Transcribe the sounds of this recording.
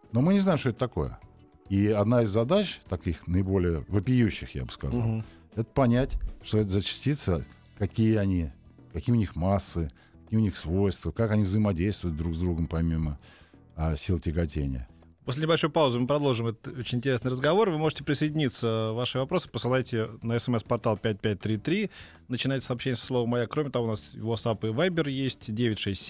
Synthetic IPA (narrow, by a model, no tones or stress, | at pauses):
no̞mɨnʲɪznaɪmʂt̪oet̪t̪ɐko̞̰jə̰ | iɐd̪naɪzːɐd̪at͡ɕt̪ɐkʲixnəɪbo̞lʲɪjəvɨpʲɪjuɕːɪxja̰bɨ̥skɐ̰za̰lˠ | ɛt̪ə̥pɐnʲætʲʂt̪oɛt̪əzət͡ɕɪ̥sʲtʲit̪sə | kɐkʲijəɐnʲi | kɐkʲijʊnʲixmasːɨ | kɐ̥kʲijəʊnʲixsvo̞jst̪vəkakɐnʲivzəjɪmɐdʲejst̪vʊjʊt̪̚d̪ɾuɡzd̪ɾuɡəmpɐmʲimə | sʲilˠtʲɪɡɐtʲenʲɪ̰jə̰ | posʲlʲɪnʲɪbɐlʲʂojʊpavʊzɨmɨpɾɐd̪olˠʐɨmɛt̪ət̪ot͡ɕɪnʲɪnʲtʲɪɾʲesnɨjrəzɡɐvo̞rvɨmo̞ʐɨtʲɪpɾʲɪsəɪdʲɪnʲit̪səvaʂɨvɐpɾo̞sɨ̥pəsɨlˠajtʲɪnəɛsɛmɛspɐrt̪alˠpʲæt̚ʲpʲæt̚ʲt̪ɾʲit̪ɾʲi | nət͡ɕɪnajtʲɪ̥sɐːpɕːenʲjəsə̥slˠovəmːɐjakɾomʲɪt̪ɐvoʊnasvot̪sapɨvajbʲɪrjesʲtʲdʲevʲɪtʲʂɛsʲtʲ